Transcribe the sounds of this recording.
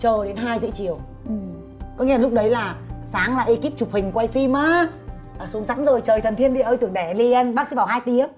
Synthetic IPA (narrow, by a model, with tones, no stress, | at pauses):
t͡ɕəː˨˩ɗe˨˦nɦaː˧jzɨ̰˧˥t͡ɕi˨˩˨əw | ʔɨ˨˩ | kɔ˨˦ŋɛ̰˧˥˦aː˨lʊ˦˥k͡p̚ɗə˨˦jlaː˨˩saː˨˦ŋlaː˨˩ʔi˧ki˦˥p̚t͡ɕʊ˨˩k͡p̚hï˨˩ŋ̟kwa˧jfi˧maː˨˧˦ | aː˨˩su˨˦əŋza̰˧˥nzo˨˩jt͡ɕəː˨˩jt̪ʰə˨˩nt̪ʰi˧ənɗi˧˨ʔəː˧t̪ɨ˨˩əŋɗeɛ˧˩˨li˧ɛ˧nɓa˦˥sḭ˧˦a˨˩ɦaː˦˥jk̚ɗi˧ə˦